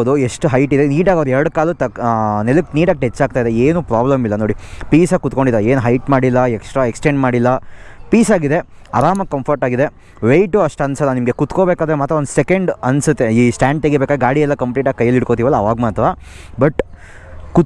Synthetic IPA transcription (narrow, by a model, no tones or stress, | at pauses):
d̪ueʂʈuɦɐjʈid̪eniːɖaːɡoʋɐɾɛɾɐɽukaːlut̪ɐnelukniːɖaɡ̚k̚ʈet͡ʃːaːɡ̚t̪aid̪eeːnuːpɾaːblɐmilːɐnoːɽipiːsɐkut̪ko̞ɳɖid̪aɾɐeːnuɦɐjʈmaːɽilːɐeksʈɾaeksʈeɳɖmaːɽilːɐpiːsaːɡid̪e̞ | ɐ̰ɾaːmɐkɐmpʰɐɾʈaːɡid̪e̞ | ʋejʈuɐʂʈɐnsɐlːɐnimɐɡe̞kut̪koːbeːkaːd̪ɐɾemaːt̪ɾɐond̪usekɐɳɖɐnsut̪ːeiːsʈaːɳɖt̪eɡeɾbekad̪eɡaːɽiɛlːɐkɐmpliːʈaːɡ̚kɐjːɐlːiɽkoːt̪iʋɐlːɐːʋaːɡmaːt̪ʋaː | bɐʈ | ku